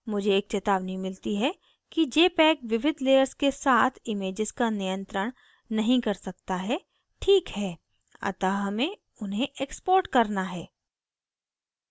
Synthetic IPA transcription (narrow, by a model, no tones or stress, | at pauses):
mʊd͡ʒʱeːk̚t͡ʃeːt̪aːʋnimɪlt̪iɦɛ | kid͡ʒeːpɛːkʋɪʋɪd̪ʱleːjəɾskesaːt̪ʰɪmeːd͡ʒɪzkanijə̃nt̪ɾəɽ̃ | nɐɦĩkɐɾsɐkt̪aɦɛ | ʈʰiːkɦɛː | ɐ̰t̪aɦɐmẽ | ʊnɦẽʔekspoːɾʈkɐɾnaɦɛː